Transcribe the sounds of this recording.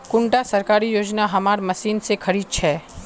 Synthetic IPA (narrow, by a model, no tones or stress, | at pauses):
kʊɳʈasɐɾkaːɾijoːd͡ʒnaɦɐmaːɾmɐsiːnsekʰɐɾiːd̪̚t͡ʃʰɛː